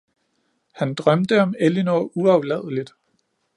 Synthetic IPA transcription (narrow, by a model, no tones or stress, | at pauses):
hænd̥ʁɶmd̥əɒ̽melinouɑʊlɛðˠəlid̥